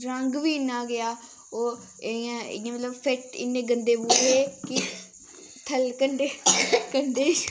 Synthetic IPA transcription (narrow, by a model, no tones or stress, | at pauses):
ɾəŋɡʋiːɪnaːɡɪaː | oː | eã̰ːãmət̪ləbfʰeʈɪ̰nːẽːɡənd̪eːbuːɾeːkɪ | t̪ʰəlkəɳɖeːkəɳɖeː